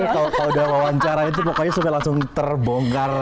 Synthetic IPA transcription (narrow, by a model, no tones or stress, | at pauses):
kalokaloudahwawaɲt͡ʃaɾait̪̬upokɔɲasupalaŋsʊŋt̪ərboŋɡar